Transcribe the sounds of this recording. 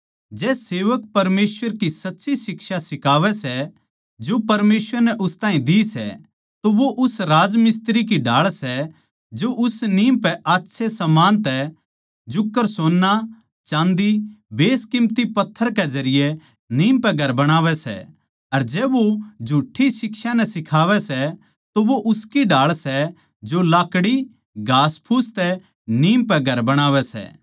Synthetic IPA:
d͡ʒɛːseːʋək̚pɐɾmeːsʋəɾkisɐtːʃisɪkʃasɪkaːʋɛsɛ | d͡ʒopɐɾmeːsʋəɾnɛʔʊst̪ãːĩd̪isɛ̰ | t̪oʋoʔʊsɾaːd͡ʒmɪst̪ɾik̬iɖʱaːɭsɛ | d͡ʒoʔʊsniːmpɛʔaːtːʃʰesɐmaːnt̪ɛ | d͡ʒʊkːəɾsoːnːa | t͡ʃãːnd̪ibeːskɪmt̪ipɐt̪ʰːəɾked͡ʒɐɾɪje | niːmpɛɡʱɐɾbɐɽ̃aːʋɛsɛ̰ | ɐɾd͡ʒɛːʋod͡ʒʱuːʈʰːisɪkʃanɛsɪkʰaːʋɛsɛ | t̪oʋoʔʊskiɖaːɭsɛ | d͡ʒolaːkɽi | ɡʱaːspʰuːst̪ɛ | niːmpɛɡʱɐɾbɐɽ̃aːʋɛsɛ̰ː

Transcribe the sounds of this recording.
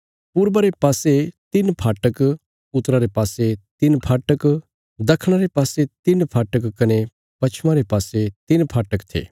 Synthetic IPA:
pʊɾbaɾepaːset̪ɪnpʰaːʈək | ʊt̪ɾaɾepaːset̪ɪnpʰaːʈək | d̪ɐkʰɽ̃aɾepaːset̪ɪnpʰaːʈəkkɐne | pɐt͡ʃʰmãɾepaːset̪ɪnpʰaːʈəkt̪ʰḛː

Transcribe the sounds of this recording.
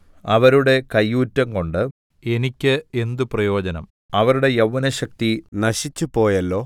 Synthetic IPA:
ɐʋɐɾuɽe̞kɐjːuːtːɐŋko̞ɳɖɨ | e̞nikʲːɨend̪uprɐjo̞ːd͡ʑɐnɐ̰m | ɐʋɐɾuɽe̞jɐʋːɐnɐɕɐk̚t̪inɐɕit͡ɕːupo̞ːjɐlːo̞ː

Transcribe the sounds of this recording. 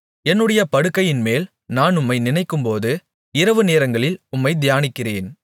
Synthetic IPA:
ɛnːɯɽɐjɐpɐɽɯkːɐjɪnmeːl | naːnʊmːɐɪnɪnɐɪkːɯmpoːðɯ | ɪɾɐʋɯneːɾɐŋɡɐɭɪlʊmːɐɪd̪ɪjaːnɪkːɪreːn

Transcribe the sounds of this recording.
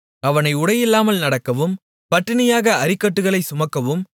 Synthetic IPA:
ɐʋɐnɐɪʊɽɐjɪlːaːmɐlnɐɽɐkːɐʋɯm | pɐʈːɪnɐjaːɣɐɐɾɪkːɐʈːɯɣɐɭɐɪsʊmɐkːɐʋɯm

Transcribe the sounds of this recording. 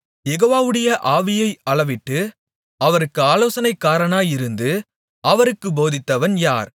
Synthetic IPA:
jɛɣoːʋaːʋɯɽɐjɐʔaːʋɪjɐɪɐɭɐʋɪʈːɯ | ɐʋɐɾɯkːɯaːloːsɐnɐɪkːaːɾɐɳaːjɪɾɯnd̪ɯ | ɐʋɐɾɯkːɯboːðɪt̪ːɐʋɐnjaːɾ

